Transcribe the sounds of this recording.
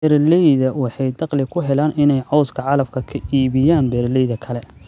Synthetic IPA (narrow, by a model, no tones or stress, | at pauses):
ɛɾlɛjðɐwɑħɑjd̪ɑqlɪkʰʊɦɛlaːnɪnɛjʕɔwskʰɐʕɑlɐbkʰɐkʰɐʔiːβɪjaːnbɛːrlɛjðɐkʰɐlɛ